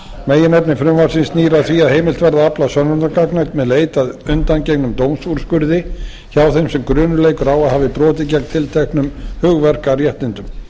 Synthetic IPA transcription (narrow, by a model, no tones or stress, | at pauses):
meːjɪnɛpnɪfɾʏmvaɾ̥sɪnsniːɾaθviːaðheːjmɪlt̪vɛɾðaaplasœnːʏɾnakaknak̪mɛðleːjt̪aðʏnt̪ancɛknʏmt̪oːwmsuɾ̥skʏɾðɪ | çawθejmsɛmkɾʏːnʏleːjkʏɾawaðhaːvɪpɾɔːt̪ɪcɛk̚nt̪ʰɪlt̪ʰɛhknʏmhʏɣvɛr̥karjɛht̪nɪnt̪ʏm